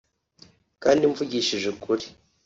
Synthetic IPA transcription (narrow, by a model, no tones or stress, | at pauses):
kaːndiɱvuɟiʃiʒekuɾi̥